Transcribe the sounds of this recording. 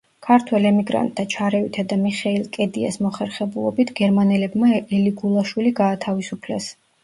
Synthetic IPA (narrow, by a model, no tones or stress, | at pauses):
kʰaɾt̪ʰwɛlɛmiɡɾa̰nt̪̚ʼːat͡ʃʰaɾɛvit̪ʰad̪amiχɛilˠkʼɛd̪ia̰smɔχɛɾχɛbulˠɔ̰bit̪ʰɡ̥ɛɾmanɛlɛbmaɛliɡulˠaʃwiliɡaːt̪ʰavisupʰlɛ̰s